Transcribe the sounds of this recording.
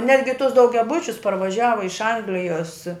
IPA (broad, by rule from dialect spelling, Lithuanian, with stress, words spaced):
ˈnʲæːdʲɡʲɪ tʊs dɐʊɡʲɛˈbʊt͡ʃʲʊs pɐrʋɐˈʒʲæːʋɐ ɪʃ ˈɐŋɡlʲɪjoːs